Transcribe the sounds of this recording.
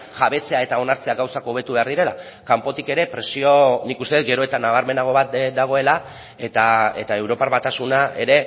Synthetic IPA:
ʝaβe̞t͡se̞ae̞t̪ao̞naɾt͡se̞aɡawsakoːβ̞e̞t̪uβe̞aɾðiɾe̞la̰ | kampo̞t̪ike̞ɾe̞pɾe̞sio̞nikust̪e̞et̪ɡe̞ɾo̞e̞t̪anaβ̞aɾme̞naɣ̞o̞βat̪̚d̪aɣ̞o̞e̞la | e̞t̪ae̞t̪ae̞wɾo̞parβat̪asunaʔe̞ɾe̞

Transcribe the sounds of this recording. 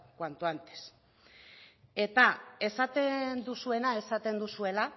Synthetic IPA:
kwant̪uant̪e̥s | e̞t̪ae̞sat̪e̞nd̪usue̞nae̞sat̪e̞nd̪usue̞la

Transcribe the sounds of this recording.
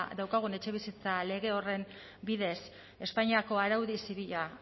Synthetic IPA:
d̪awkaɣ̞une̞t͡ʃe̞β̞isit͡sale̞ɣ̞e̞o̞re̞m | biðe̞s | e̞spaɲiako̞aɾawðisiβiʎa

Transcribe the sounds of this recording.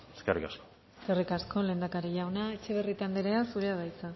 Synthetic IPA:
eskerḭkasko | eskerikasko̞le̞ːnd̪akaɾiʝawnaet͡ʃe̞β̞erit̪and̪eɾe̞asuɾeaβajt͡sa

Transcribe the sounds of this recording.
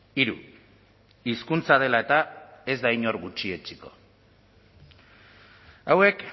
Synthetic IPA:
iɾṵ | iskunt͡sað̞e̞lae̞t̪ae̞zd̪ajɲo̞rɣut͡ʃie̞t͡ʃiko̞̥ | awe̞k

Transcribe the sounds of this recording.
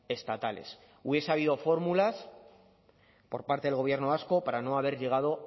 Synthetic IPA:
e̞st̪at̪ale̞̰s | uβje̞saβ̞ið̞o̞fo̞ɾmulas | po̞ɾpaɾt̪eðelɣo̞β̞je̞ɾno̞βasko̞paɾano̞aβ̞e̞ɾʎe̞ɣ̞að̞o̞

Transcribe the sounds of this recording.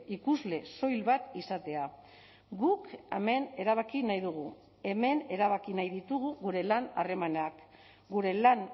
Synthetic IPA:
ikuzle̞so̞jlβat̪isat̪e̞a | ɡukeme̞ne̞ɾaβ̞akinajðuɣ̞u | e̞me̞ne̞ɾaβ̞akinajðit̪uɣ̞uɣuɾe̞lana̰re̞manak | ɡuɾe̞lan

